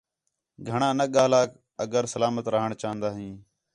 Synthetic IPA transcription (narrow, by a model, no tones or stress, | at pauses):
ɡʱəɳãːnəɠaːlaːk | əɡəɾsəlaːmət̪ɾəɦəɳt͡ʃaːənd̪aːɦĩː